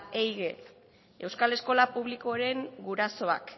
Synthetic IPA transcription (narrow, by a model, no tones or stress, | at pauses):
ejɣe | e̞wskale̞sko̞lapuβlikoɾe̞ŋɡuɾaso̞a̰k